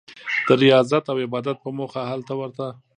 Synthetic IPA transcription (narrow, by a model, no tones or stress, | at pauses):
d̪̥əɾɪjɑzat̪awɪbɑd̪at̪̚pəmoxahalt̪awəɾt̪a